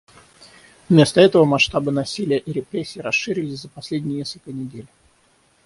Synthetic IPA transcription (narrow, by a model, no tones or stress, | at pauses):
vmʲe̞st̪əɛt̪əvəmɐsʂt̪abɨnɐsʲilʲɪjəʔiɾʲɪpɾʲesʲːiːɾɐsʂɨɾʲɪlʲɪsʲzəpɐsʲlʲedʲnʲɪjənʲeskəlʲkənʲɪdʲelʲ